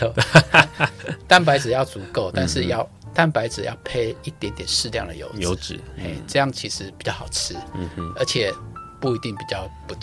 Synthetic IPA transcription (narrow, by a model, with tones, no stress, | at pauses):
t̪a˥˨npa˧˥ɪt͡sɹ̩˨˩jɑ˥˩ʊt͡su˨˧˥ko˥˨ʊt̪a˥˧nʂɻ̩˥˧jɑ˥˨ʊ | t̪a˥˧npa˧˥ɪt͡sɹ̩˨˩jɑ̰˥˧ʊpʰe˥˧ɪi˥˩t̪jɛ˧˥nt̪jɛ˨˩nʂɻ̩˥˧ljɑ˥˩ŋd̪ə̰˨˩jo̰˧˥ʊo˧˦˨t͡s̩˨˦e˥˩ɪʈ͡ʂɤ˥˧jɑ˥˩ŋt͡ɕʰi˧˥ʂɻ̩˧˦pi˨t͡ɕjɑ˥˩ʊxɑ˨˩ʊt͡sʰɻ̩˥ə˧˥t͡ɕʰjɛ˨˩pu˥˩i˧˥t̪i˥˩ŋpi˨˩t͡ɕjɑ˥˨ʊpu˧